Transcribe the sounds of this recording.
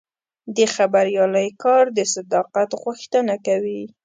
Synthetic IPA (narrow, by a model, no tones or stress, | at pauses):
d̪əxabaɾjɑləjkɑɾd̪əsad̪ɑqat̪ɣuxt̪ənakawi